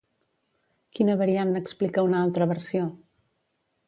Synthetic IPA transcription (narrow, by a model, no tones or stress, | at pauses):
kinəβəɾianəksplikəunalˠt̪ɾəβəɾsio